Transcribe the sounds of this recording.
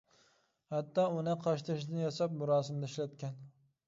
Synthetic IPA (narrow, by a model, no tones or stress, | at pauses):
hat̪ːɑːʊnɨqʰɑʃt̪ʰɪʃd̪ɪnjɒsɑpmʊɾɑːsɪmd̪aɪʃlæt̪̚kʲɛn